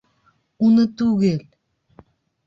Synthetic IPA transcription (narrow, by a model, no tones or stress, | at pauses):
unət̪uɣelʲ